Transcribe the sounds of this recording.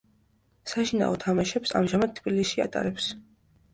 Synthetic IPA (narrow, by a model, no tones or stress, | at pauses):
saʃina̰ɔt̪ʰamaʃɛpsa̰mʒamad̪̚t̪ʰːbilisia̰t̪ʼa̰ɾɛps